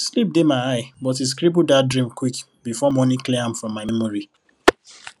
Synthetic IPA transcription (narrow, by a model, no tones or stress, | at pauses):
slip̚demaɪaɪbɔtis̬kɾibudadɹĩmkwik | bifɔmɔnikliãmfɹɔ̃mːaɪmɛmɔɹi